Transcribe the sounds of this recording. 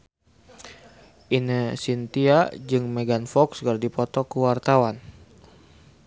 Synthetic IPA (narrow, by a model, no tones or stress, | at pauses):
ʔinəsint̪iad͡ʒɨŋmeɡanfɔkskərdipɔt̪ɔkəwart̪awan